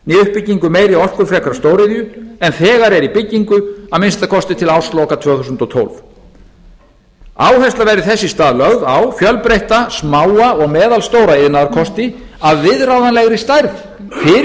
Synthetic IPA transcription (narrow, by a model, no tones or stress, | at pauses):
niʏhpːɪcːiŋkʏmeːjɾiɔr̥kʏɾfɾɛkɾast̪oːwɾɪðjʏɛnθɛːɣaɾɛɾipɪcːiŋkʏaðmɪnst̪akʰɔst̪ɪt̪ʰɪlaːwslɔkat̪ʰv̥œːθusʏnt̪ɔt̪ʰo̰wlv | aːwɦhɛst̪avɛɾɪθɛsːɪst̪aːðlœɣðawfjœlpɾejht̪asmaːwaɔɣmɛːðalst̪oːwɾaɪðnaðaɾkʰɔst̪ɪ | aðvɪðɾawðanlɛɣɾist̪ajɾθ | fɪ